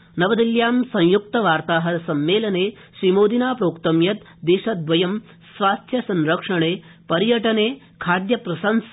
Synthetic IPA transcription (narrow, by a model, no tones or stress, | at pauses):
nɐʋɐd̪iljaːmsɐ̃ŋ̃juk̚t̪ɐʋaːɾt̪aːɦɐɐsɐmːeːlɐneː | ʃɾimoːd̪inaːpɾoːkt̪ɐmjɐt̪d̪eːʃɐd̪̚ʋɐjɐm | sʋaːst̪ʰjɐsɐ̃nɾɐkʂɐɳeː | pɐɾjɐʈɐneː | kʰaːd̪jɐpɾɐsɐns